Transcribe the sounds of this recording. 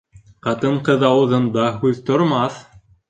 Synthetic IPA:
qɑt̪ɤɴqɤðɑwɤ̆ðɤ̆nd̪ɑɦʉðt̪ŏɾmɑθ

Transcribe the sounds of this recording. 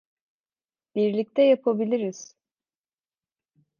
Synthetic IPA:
b̥iɾlʲic̚t̪ʰɛjapʰabilʲiɾiz̥

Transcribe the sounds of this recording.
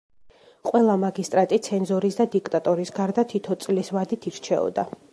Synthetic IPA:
qʼwɛlˠamaɡist̪ʼɾat̪ʼit̪sʰɛnzɔɾisd̪ad̪ikʼt̪ʼat̪ʼɔɾisɡaɾd̪at̪ʰit̪ʰɔt̪sʼlisvad̪it̪ʰiɾt͡ʃʰɛ̰ɔ̰d̪a

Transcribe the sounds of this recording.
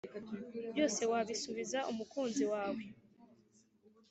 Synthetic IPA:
bjo̞ːse̞waβisuβizaʔumukuːnziwaːwe̞

